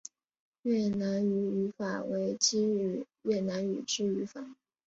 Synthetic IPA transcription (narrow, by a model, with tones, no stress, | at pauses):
ɥɛ˥˩na˧˥ny˧˥y˧˥fa̰˨˩we˧˥ɪt͡ɕi˥˨˩ | ɥɛ˥˩na˧˥ny̰˨˩ʈ͡ʂɻ̩˥y˧˥fa˨˩˦